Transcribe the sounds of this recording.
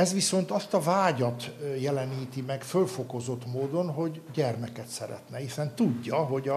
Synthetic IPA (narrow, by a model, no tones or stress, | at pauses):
ɛzʋiso̞nt̪ɒst̪ɒvaːɟɒt̪jɛlɛniːt̪imɛɡfølfo̞ko̞zo̞t̪moːd̪o̞nɦo̞ɟɟɛrmɛkɛt̪sɛɾɛ̰t̪nɛhisɛnt̪uɟːɒɦo̞ɟɒ